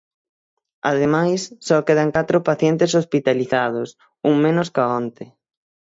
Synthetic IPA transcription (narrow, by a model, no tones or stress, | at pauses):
aðemajsːɔkeðaŋkat̪ɾopaθjent̪esospit̪aliθað̞ʊs | uŋmẽnoskaont̪ɪ